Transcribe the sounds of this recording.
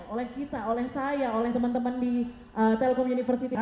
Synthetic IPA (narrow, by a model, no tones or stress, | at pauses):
olɛhkit̪aolɛhsajaolɛht̪əmənt̪əməndi | ʔət̪ɛlkɔmunifərsit̪i